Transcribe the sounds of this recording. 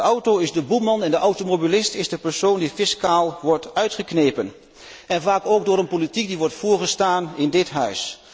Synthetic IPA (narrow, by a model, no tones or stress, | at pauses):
ɔwtoɪzdəbumɑnɛndəʔawtomobilɪstɪzdəpəɹsowndifɪskaːlˠʋɔɹtœɥtχəknejpən | ɛnvaːkowɡ̚dʊːɾənpolitik̚diʋɔɹtfʊːɹχəstaːnɪndɪtɦœɥs